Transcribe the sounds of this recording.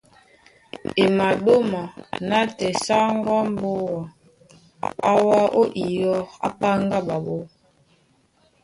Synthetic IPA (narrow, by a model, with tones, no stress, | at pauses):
e˨ma˨ɗo˦ma˨na˦tɛ˨sa˦ŋ˦ɡɔ˦m˦bo˦wa˨ | a˦wa˦ʔo˦ʔi˨jɔ˦ɣa̰˦pa˦ŋɡa˦ba˨bo˦